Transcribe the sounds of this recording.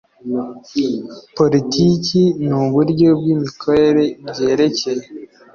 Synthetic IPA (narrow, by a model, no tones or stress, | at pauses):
po̞litʰicinuβuɾɟo̞b̚ɡimikʰoɾe̞ɾe̞bɟe̞ːɾe̞ce̞je